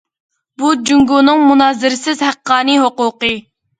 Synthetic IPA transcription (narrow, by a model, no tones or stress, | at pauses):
bud͡ʒuŋɡuːnɨŋmunɑːzɪɾɪsɪzhæqːɑːnɨɦoquːqɨ